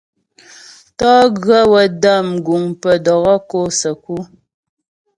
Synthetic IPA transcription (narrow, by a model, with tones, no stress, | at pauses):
tɔː˦ɣɰə˦wə˨də˦˨mɡu˨ŋpə˨dɔ˨ɣɔ˦ko˦sə˨ku˦